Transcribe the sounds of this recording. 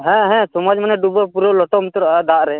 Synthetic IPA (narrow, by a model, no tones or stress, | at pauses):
ɦɛ̃ɦɛ̃sɔmad͡ʒmanɛɖubɔpuɾɔlɔʈɔmt̪ɔɾɔd̪aʔɾɛ